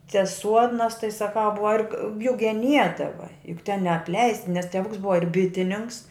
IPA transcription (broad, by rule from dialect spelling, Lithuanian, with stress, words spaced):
t͡sʲɛ ˈsuɔdnɐs tɐɪ sɐˈkɐʊ ˈbʊʋɐ ɪr k jʊk ɡʲɛˈnʲiɛdɐʋɐ jʊk tʲɛn nʲɛɐpʲˈlʲɛɪsts nʲɛs tʲɛˈʋʊks ˈbʊʋɐ ɪr ˈbʲɪtʲɪnʲɪnʲɪŋks